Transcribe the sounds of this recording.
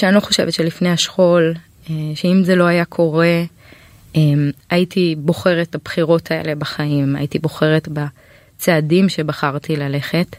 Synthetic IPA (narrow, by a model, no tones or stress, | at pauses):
ʃeaniloχo̞ʃe̞vetʃe̞lifne̞haʃχo̞l | eʃeimze̞lo̞ajakʰo̞ʁe̞ | emaitʰibo̞χe̞ʁet̚abχiʁo̞tʰae̞̰le̞baχaima̰jitibo̞χe̞ʁe̞tba | t͡seadimʃe̞baχaʁtilale̞χe̞t